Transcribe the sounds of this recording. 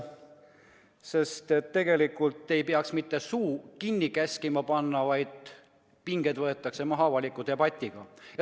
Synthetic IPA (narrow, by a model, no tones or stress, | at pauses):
se̞st̪e̞t̪ːe̞ɡe̞likːult̪ːˑe̞jpeɑksmit̪ːˑe̞suːkinʲːikæskimɑpɑnːɑvɑjd̪̥ | piŋɡ̥ed̪̥vɤe̞t̪ːˑɑkse̞mɑɦɑvɑlʲikːˑut̪ebɑt̪ʲːˑiɡ̥ɑj